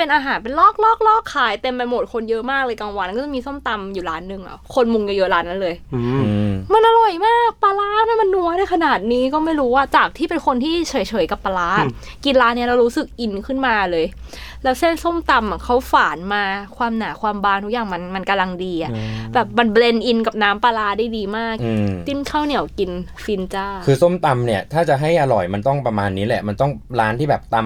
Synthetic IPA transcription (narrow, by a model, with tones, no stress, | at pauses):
pe˧nʔaː˧ɦaː˨˩˦npe˧nlɔː˥˩k̚lɔː˥˩k̚lɔː˥˩kʰːaː˩˦jt̪e˧mːa˧mo˨˩t̪̚kʰo˧njɤ˦˥ʔmaː˥˩k̚lɤː˧jkaː˧ŋwa˧nkɔ˥˩t͡ɕa˨˩miː˧so˥˩mt̪a˧mjuː˨˩ɾaː˦˥nːɯ˨˩ŋʔa̰˨˩kʰo˧nmu˧ŋja˧jɤ˦˥ʔlaː˦˥nːa˦˥nlɤː˧j | ma˧nʔa˧ɾɔ˨˩jmaː˥˩k̚pa˧laː˦˥na˥˨ma˧nːu˧˥ɐdaː˥˩kʰa˧naː˨˩t̪̚niː˦˥kɔː˥˩ma˥˩jɾuː˦˥waː˥˩t͡ɕaː˨˩k̚t̪ʰiː˥˩pe˧nkʰo˧nt̪ʰiː˥˩t͡ɕʰɤː˨˩˦jt͡ɕʰɤː˩˦jka˨˩pːa˧laː˦˥ʔ | ki˧nlaː˦˥nːi˦˥ɐɾa˧wɾuː˦˥sɯ˨˩k̚ʔi˧nkʰɯ˥˩nmaː˧lɤː˧j | lɛː˦˥wse˥˩nso˥˩mt̪a˧ma˨˩kʰa˦˥wfaː˩˦nmaː˧kʰwaː˧mnaː˩˦kʰwaː˧mbaː˧˩nt̪ʰu˦˥k̚jaː˨˩ŋma˧nma˧nka˧mla˧ŋdiː˧ʔa˨˩bɛː˨˩p̚ma˧nble˧nʔi˧nka˨˩p̚naː˦˥mpa˧laː˦˥daː˥˩jdiː˧maː˥˩k̚ʔɯː˧t͡ɕ̪i˧˥˩nkʰaː˥˩wni˨˩˦wki˧n | fi˧nt͡ɕaː˥˩kʰɯː˧so˥˩mt̪a˧mni˥˩ɐt̪ʰaː˥˩t͡ɕa˨˩ɦa˥˩jʔa˧ɾɔ˨˩jma˧nt̪ɔ˥˩ŋpɾa˧maː˧nːiː˦˥lɛ˨˩ma˧nt̪ɔ˥˩ŋɾaː˦˥nt̪ʰiː˥˩bɛː˨˩p̚t̪a˧m